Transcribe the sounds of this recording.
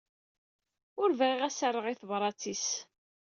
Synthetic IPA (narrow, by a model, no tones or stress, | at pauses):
ʊɾvʁiʁæsəɾˤːəʁiθəvɾˤɑt͡sːis